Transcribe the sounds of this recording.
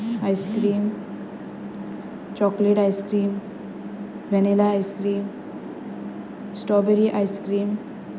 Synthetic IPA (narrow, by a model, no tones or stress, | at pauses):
ajskɾiːm | t͡ʃɔːkleʈajskɾiːm | bɛnelaːjskɾiːm | sʈɔbeɾiʔajskɾiːm